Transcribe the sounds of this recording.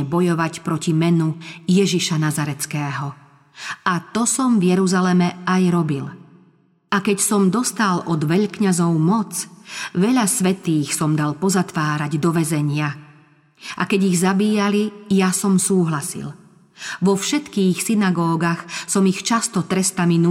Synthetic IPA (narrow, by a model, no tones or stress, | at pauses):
ɛbɔjɔʋacpɾɔcimɛnujɛʒiʃanazaɾɛt͡skɛːɦɔ | at̪ɔsɔmvjɛɾuzalɛmɛajɾɔbil | akɛcsɔmd̪ɔst̪alʔɔd̪ʋɛʎkɲazɔʊmɔt͡sʋɛʎasʋɛt̪iːxsɔmd̪alpɔzat̪ʋaːɾaɟd̪ɔʋɛzɛɲɪa | ʔa̰kɛɟiɣzabiːalijasɔmsuːɦlasḭl | ʋɔfʃɛt̪kiːxsinaɡɔːɡaxsɔmixt͡ʃast̪ɔt̪ɾɛst̪aminu